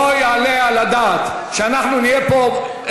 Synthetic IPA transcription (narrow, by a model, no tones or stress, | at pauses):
ojealealad̪at̪ | ʃeanaχnunijepo